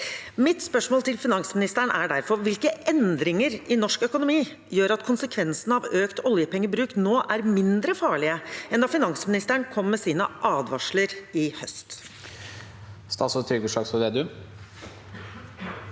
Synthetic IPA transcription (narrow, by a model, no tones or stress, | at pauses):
mɪt̪spœʂmoːlt̪ʰɪlfɪnɑŋsmɪnɪst̪əɳʔæɖæɾfɔɾʋɪlkəʔɛnd̪ɾɪŋəɾɪnɔʂkœkʊnʊmiː | jøːɾɑt̪̚kʰʊnsəkʰʋɛnsənɑʋøːkt̪ɔljəpɛŋːəbɾʉːknoːʔæɾmɪnd̪ɾəfɑːɭɪəɛnd̪ɑːfɪnɑŋsmɪnɪst̪əɳ̩kʰɔmːɛsiːnəʔɑːd̪ʋɑʂɭəɾɪhœst̪ | st̪ɑ̰sɔt̪ʰɾʏɡuʂɑːksɔd̪eːd̪ʉ